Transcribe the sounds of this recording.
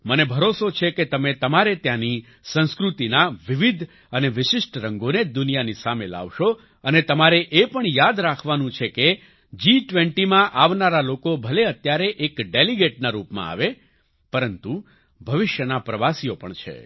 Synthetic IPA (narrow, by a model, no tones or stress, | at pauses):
mənebʱəɾosot͡ʃʰeket̪əmet̪əmaɾet̪jãni | sə̃nskɾut̪inaʋiʋid̪ʱ | əneʋɪʃɪʂʈɾəŋɡoned͡ʒd̪ʊnijanisamela̰ʋʃo | ənet̪əmaɾeʔepəɳjad̪ɾakʰʋanũt͡ʃʰeke | d͡ʒiʈʋeɳʈimãʔaʋnaɾalokobʱəleət̪jaɾeʔekɖeliɡeʈ̚naɾupmã̰a̰ʋe | pəɾənt̪u | bʱəʋɪʃjənapɾəʋasijopəɳt͡ʃʰḛ